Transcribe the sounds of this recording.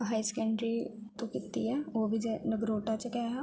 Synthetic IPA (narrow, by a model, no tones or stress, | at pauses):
ɦaːisɛ̥kə̃ɳɖɾiːt̪õːkɪt̪ːḭːɛːoːbʱiːd͡ʒeːnəɡɾoːʈaːt͡ʃəkɛːɦaː